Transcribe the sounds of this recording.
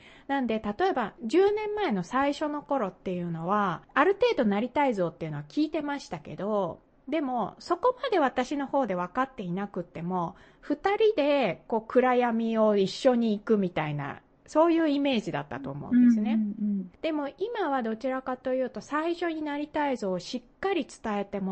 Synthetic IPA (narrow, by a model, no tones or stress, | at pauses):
nãnd̪e̞t̪at̪o̞e̞baʑɨːnẽ̞mːae̞no̞saiɕo̞no̞ko̞ɾo̞t̪ːe̞jɯ̟no̞β̞aːɾɯ̟t̪e̞ːd̪o̞naɾʲit̪aizo̞ːt̪ːe̞iɯ̟no̞akʲiːt̪e̞maɕi̥t̪ake̞̰d̪o̞ | d̪e̞mo̞so̞ko̞mad̪e̞βat̪aɕino̞ho̞ːd̪e̞β̞akat̪ːe̞inakɯ̟t̪ːe̞mo̞ | ɸɯ̟t̪aɾʲid̪e̞ko̞ːkɯ̟ɾajamʲio̞iɕːo̞ɲ̟iːkɯ̟mʲit̪aina̰ | so̞ːjɯ̟ːime̞ːʑid̪a̰t̪ːa̰t̪o̞ːmo̰ɯnd̪esɨne̞d̪̥e̞mo̞imaβad̪o̞t͡ɕiɾakat̪o̞jɯ̟ːt̪o̞saiɕo̞ɲ̟inaɾʲit̪aizo̞ːɕikːaɾʲit͡sɨ̥t̪ae̞t̪e̞m